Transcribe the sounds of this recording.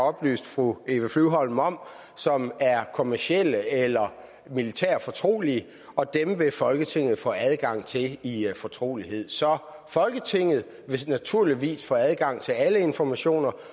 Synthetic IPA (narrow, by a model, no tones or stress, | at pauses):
ɒ̽b̥ly̰ːsd̥fʁue̝ːʋəflyʊɦɒ̽l̰mɒ̽m̰ | sɒ̽mæɐkʰo̝mæɐɕiel̰əelɐ | milit͡sʰæ̰ɐ̰fɒ̽t͡sʰʁo̝̰ːli | ɒ̽d̥emʋe̝fɒ̽lɡ̥ət͡sʰe̝ŋ̰ð̩ˠfɔ̰ːæð̞ˠɡ̥ɑ̈ŋ̰t͡sʰe̝lifɒ̽t͡sʰʁo̝̰ːliɦe̝ð̞̰ˠsɒ̽fɒ̽lɡ̥ət͡sʰe̝ŋ̰ð̞̩ˠ | ʋe̝næt͡sʰuɐ̰liʋḭːsfɔ̰ːæð̞ˠɡ̥ɑ̈ŋ̰t͡sʰe̝æləe̝nfɒmæɕo̝̰ːnɐ